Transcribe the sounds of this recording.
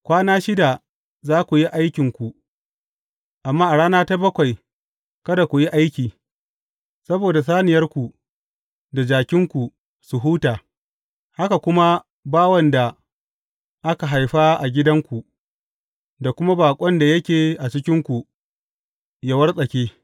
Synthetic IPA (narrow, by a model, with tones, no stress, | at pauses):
kʷaː˦naː˦ʃɪ˦da˨ | zaː˦kʷu˨ji˦ʔa˦jkʲɪ˨ŋkʷu˨ | ʔa˨mːaː˦ʔa˨ɽaː˦naː˦ta˦bɐ˦kʷa˨j | kɐ˦da˨kʷu˨ji˦ʔa˦jkʲiː˨ | sɐ˦boː˨da˨s̬aː˦nɪ˨jɐ˦rkʷu˨ | da˨d͡ʒaː˨kʲɪ˦ŋkʷu˨ | su˨ɦuː˦taː˨ | ha˦ka˨kʷʊ˦ma˦ | baː˦wɐ˨nda˨ | ʔa˦ka˨ɦa˨jɸaː˦ʔa˨ɡʲɪ˦dɐ˦ŋkʷu˨ | da˨kʷʊ˦ma˦baː˨kʷʼɔ˦nda˨jɐ˦kʲeː˨ʔa˨t͡ʃɪ˦kʲɪ˦ŋkʷu˨ | jɐ˨wɐ˦rsʼɐ˨kʲeː˦